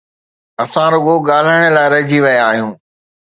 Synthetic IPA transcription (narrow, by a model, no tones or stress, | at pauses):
ɐsãɾoɡoɠaːl̤aəɽ̃ə̆laːɪɾɐɪd͡ʑiʋɐjaːɦijũː